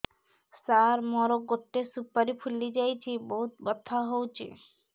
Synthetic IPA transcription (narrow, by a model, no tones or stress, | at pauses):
saɾmɔɾoɡoʈːesupːaɾipʰulːid͡ʑajt͡ɕʰiboɦut̪̚bɔt̪ʰːaɦowt͡ɕʰḛ